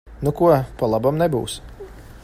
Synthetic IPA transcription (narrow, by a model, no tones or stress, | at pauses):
nukuɔpalˠabamnɛbṵːs